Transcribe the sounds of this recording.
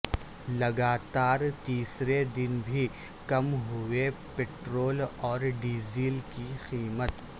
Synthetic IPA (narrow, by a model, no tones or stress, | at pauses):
lɐɡaːt̪aːɾt̪iːsɾed̪ɪnbʱi | kɐmɦʊepeːʈɾoːlɔːɾɖiːziːlkixiːmət̪